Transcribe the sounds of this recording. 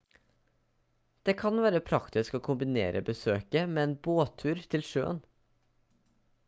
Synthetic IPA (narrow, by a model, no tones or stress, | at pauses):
d̪̥eːkʰɑnʋæːɾəpʰɾɑkt̪ɪskoːkʰʊmbɪnḛːɾʔə̰bəsøːkəmeːeːnboːt̪ʰʉːɾt̪ʰɪlʃø̰ːə̰n